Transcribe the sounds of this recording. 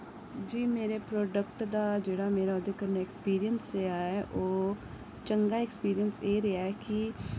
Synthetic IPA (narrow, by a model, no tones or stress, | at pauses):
d͡ʒiːmeːɾepɾoːɖəkʈd̪aːd͡ʒeːɽaːmeːɾaːʊd̪ekəɾnaekspiːɾijənsɾɛaɦɛʔoː | t͡ʃəŋɡaːekspiːɾijənseːɾɛɦaɦɛːki